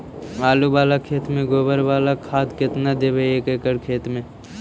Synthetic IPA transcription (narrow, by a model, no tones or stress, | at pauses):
maːlubaːlakʰeːt̪mẽɡoːbəɾbaːlakʰaːd̪kɪt̪nad̪ebeeːkeːkəɾkʰeːt̪mẽ